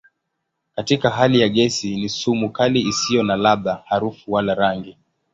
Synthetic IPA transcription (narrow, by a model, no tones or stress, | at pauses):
katikaɦalijaɠɛsinisumukaliisijɔnalaɓahaɾufuwalaɾaŋɡi